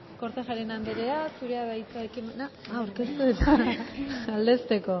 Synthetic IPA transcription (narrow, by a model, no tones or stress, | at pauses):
koɾt̪eʝaɾenand̪eɾeasuɾeaβajt͡saekimenauɾke̞st̪uet̪a | ald̪e̞st̪e̞ko̞